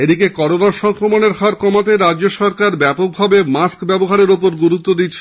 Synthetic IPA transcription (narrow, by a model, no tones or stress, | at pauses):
ed̪ikekɔɾonaʃɔŋkɾomoneɾɦaɾkɔmat̪̬eɾadoʃɔɾkaɾbɛpok̚bʱabemaskbɛboɦaɾeɾopoɾɡuɾut̪ːod̪itːɕʰe